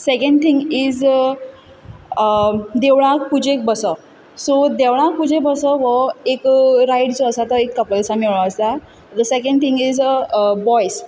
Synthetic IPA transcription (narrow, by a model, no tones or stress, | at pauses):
sekə̃ɳɖt̪ʰĩŋɡid͡z | d̪eʋɭ̃ãkpud͡ʑek̚bəsə | sod̪eʋɭ̃ãkpud͡ʑʱebəsəʋəekɾajʈt͡soəsat̪əekːəpəlsamiɭɭə̃əst̪a | d̪əsekə̃ɳɖt̪ʰĩŋɡizbɔjs